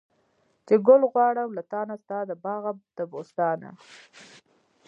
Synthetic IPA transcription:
t͡ʃeɡʊlɣwɑɽəmlat̪ɑnast̪ɑːd̪əbɑɣad̪̥əbost̪ɑna̰

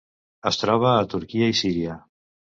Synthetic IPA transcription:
əst̪ɾɔβ̞aːt̪uɾkiaisiɾja

